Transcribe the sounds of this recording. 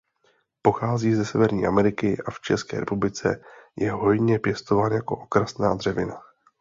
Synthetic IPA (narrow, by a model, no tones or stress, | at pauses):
po̞xaːziːzɛsɛvɛɾɲiːʔamɛɾɪkɪʔaft͡ʃɛskɛ̰ːɾɛ̰publɪt͡sɛ̰jɛɦo̞jɲɛpjɛst̪o̞vaːnjako̞̰ʔokɾasnaːd̪r̝ɛvɪna